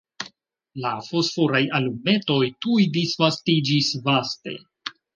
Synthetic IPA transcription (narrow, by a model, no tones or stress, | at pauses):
lafo̞sfoɾajalume̞to̞jtujdisvastid͡ʒisvaste̞̰